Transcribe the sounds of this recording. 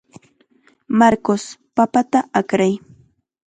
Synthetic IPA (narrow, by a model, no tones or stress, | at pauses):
maɾkospapat̪aakɾaj